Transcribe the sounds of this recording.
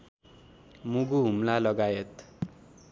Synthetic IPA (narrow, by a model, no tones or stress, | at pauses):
muɡuɦumlalʌɡajet̪